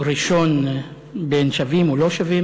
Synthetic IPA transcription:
ɾiʃon | benʃavimuloʃavi

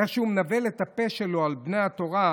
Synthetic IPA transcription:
eχʃeumnavelet̪apeʃelo̞albnejato̞ʁa

